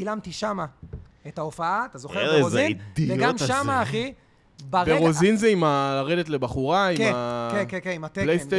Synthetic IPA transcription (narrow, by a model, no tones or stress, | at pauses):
ilamt̪iʃama | etaofaaat̪azoχeozind̪iveɡamʃamaːχi | baʁbeozinzeimalaʁe̞detle̞baχuʁaiakenkekenimat̪elejte